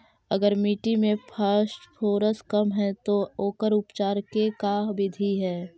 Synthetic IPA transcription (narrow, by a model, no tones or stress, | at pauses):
ɐɡəɾmiːʈimẽpʰəsʈpʰoːɾəskəmɦɛ̃t̪ooːkəɾʊpt͡ʃaːɾkekabɪd̪ʱiɦɛː